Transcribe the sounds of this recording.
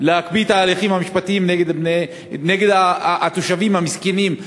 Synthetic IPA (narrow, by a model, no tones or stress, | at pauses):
lehakbit̪aːliχimhamiʃpat̪iimneɡed̪bne | neɡe̞d̪aːt̪oʃavimhamiskenim